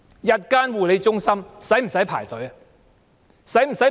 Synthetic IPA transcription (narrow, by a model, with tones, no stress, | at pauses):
jɐ˨t̚kaː˥nwuː˨le˨˧jt͡sʊ˥ŋsɐ˥msɐ˨˥jm̩˨˩sɐ˨˥jpʰa̰ː˨˩jt̪ɵ˨˥ɥɐ˧ | sɐ˨˥jm̩˨˩sɐ˨˥j